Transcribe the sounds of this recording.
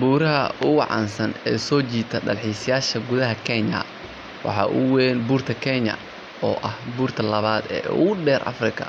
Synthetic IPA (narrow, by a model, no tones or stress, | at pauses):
buːɾɐɦɐʔʊwɑʕɑ̰ːnsɐnɛːsɔːt͡ʃiːt̪ʰɐɖɐ̰lħiːsɪjaːʃɐɡʊðɐɦɐkʰɛɲɐ̰ | wʔɑ̰ħɑ̰ːʔʊwɛːnbuːrt̪ʰɐkʰɛɲɐ̰ | ɔːʔɐhbuːrt̪ʰɐlɐβaːd̪ɛ̰ːʊ̰ɣʊɖɛːrʔɐ̰frɪkʰɐ̰